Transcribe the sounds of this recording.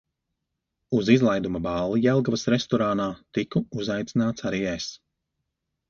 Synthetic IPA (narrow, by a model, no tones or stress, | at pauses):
uzizlˠajd̪umɐbɑːlˠijɛlˠɡavɐsɾɛst̪ɔɾaːnaːt̪ikuuzajt̪sinaːt̪saɾiːɛs